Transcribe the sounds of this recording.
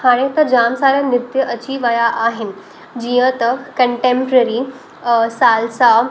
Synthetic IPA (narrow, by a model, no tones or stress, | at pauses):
haɽ̃ẽt̪əɾd͡ʑaːmsaːɾənɪɾt̪jəʔɐt͡ɕiʋajaʔaːɦɪn | d͡ʑijə̃t̪əkkəɳʈẽmpɾəɾi | saːlsa